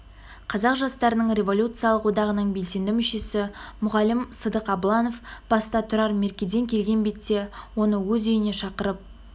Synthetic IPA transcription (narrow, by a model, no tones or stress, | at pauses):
qʰɑzɑqʒɑst̪ɑɾənəɴrʲe̞vo̞lʲut̪sɨjɑlˠəqwo̞d̪ɑʁənəɴbe̞lse̞nd̪ɪmʏʃe̞sɪmʊʁɑlɪmsəd̪əqɑblˠɑno̞fb̥ɑst̪ɑt̪ʰʊɾɑɾme̞ɾkʲed̪e̞ŋkʲʰe̞lɡʲe̞nbe̞t̪ːe̞wo̞nəwɵzʏjɪne̞ʃɑqəɾəp̚